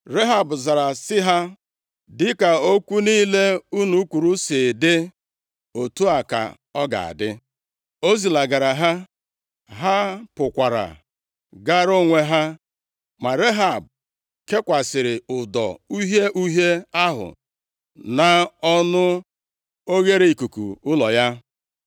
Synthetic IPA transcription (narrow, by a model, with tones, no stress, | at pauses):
ɾe˦ɦa˨bʊ˨za˨ɾa˨sɪ˦ɦa˦ | dɪ˦ka˨o˦kʷu˦niː˦le˦u˦nu˦kʷu˨ɾu˦se˨dɪ˦ | o˨tu˦a˨ka̰˨ | ɔ˦ɡa̰˨a̰˨dɪ˦ | o˦zi˨la˨ɡa˨ɾa˨ɦa˦ | ɦa˦pʊ˨kʷa˨ɾa̰˨ | ɡa˦ɾo˦ŋʷe˨ɦa˦ | ma˨ɾe˦ɦa˨b̚ | ke˦kʷa˨sɪ˨ɾɪ˨ʊ˨dɔ̰˨u˦ɦe˦ʔu˦ɦe˦a˦ɦʊ̰˨ | na˨ɔ˦nʊ˦ | o˦ɣe˦ɾe˨i˨ku˨kṵ˨ʊ˦lɔ˨ja˦